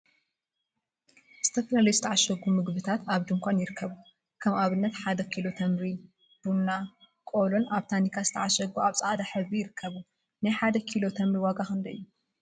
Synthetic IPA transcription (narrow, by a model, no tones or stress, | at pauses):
z̥ɨ̥t̪ʰɐflalɐjzɨt̪ʰɐʕaʃɐɡumɨɡβɨt̪ʰat̪aβd̪ɨŋkʷʰanjɪɾɨkʰːɐβu | kʰɐmʔaβɨnːɐt̪ħad̪ɐkʰilo̞t̪ʰɐmɾi | b̥unːa | kʼolo̞nʔaβt̪ʰanikʰazɨt̪ʰɐʕaʃɐɡuaβt͡sʼaʔad̪aħɨβijɪɾɨkʰːɐβu | najħad̪ɐkʰilo̞t̪ʰɐmɾiwaɡaxɨnd̪ɐɨ̰jːu